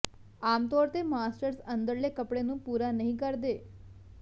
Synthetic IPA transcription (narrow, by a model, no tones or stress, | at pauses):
amt̪ɔɾt̪emasʈəɾsənd̪əɾlekəpɽenũːpuɾanəɦĩkəɾd̪e